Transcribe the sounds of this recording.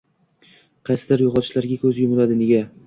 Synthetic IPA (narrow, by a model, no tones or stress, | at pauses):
qʰɑjsɪd̪aɾjʊʁɑt̪ʰɪʃlaɾɡʲakʲʰɵzɪjʊmɪlad̪ɪne̞ɡʲa